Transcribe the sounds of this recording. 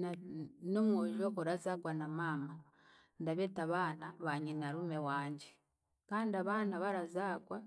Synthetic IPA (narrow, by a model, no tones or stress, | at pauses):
nanomwoʒokoɾazakwanamaːma | ndaβetaβaːnaβaɲinaɾumewaːɲɟe | kaːndiaβanaβaɾazakwa